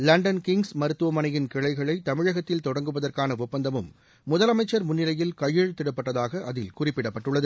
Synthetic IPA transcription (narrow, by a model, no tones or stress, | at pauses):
lɐɳɖɐnkɪŋɡsmɐɾɯt̪ːɯʋɐmɐnɐjɪnkɪɻɐɪɣɐɭɐɪt̪ɐmɪɻɐɣɐt̪ːɪlt̪ɔɽɐŋɡɯʋɐðɐrkaːnɐʊpːɐnd̪ɐmɯmː | ʊðɐlɐmɐɪt͡ʃːɐɾmʊnːɪlɐjɪlkɐjɪɻt̪ɪɽɐpːɐʈːɐðaːɣɐʔːðɪlkʊrɪpːɪɽɐpːɐʈːɯɭːɐðɯ